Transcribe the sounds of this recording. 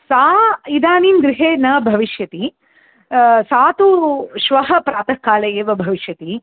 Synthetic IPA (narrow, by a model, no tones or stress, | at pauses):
saːid̪aːniːnɡɾɪɦeːnɐbʱɐʋiʃjɐt̪i | saːt̪uʃʋɐɦɐpɾaːt̪ɐkːaːlɐjeːʋɐbʱɐʋiʃjɐt̪i